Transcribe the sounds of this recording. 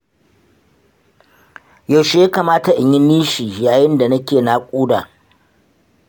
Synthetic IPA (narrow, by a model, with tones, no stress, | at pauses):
ja˨wʃe˨jaː˦kaː˨maː˦ta˨ʔɪ˨ɲjɪ˦nːiː˦ʃiː˨jaː˨jɪ˦nda˨nɐ˦kʲeː˨naː˦˨kʷʼuː˦daː˨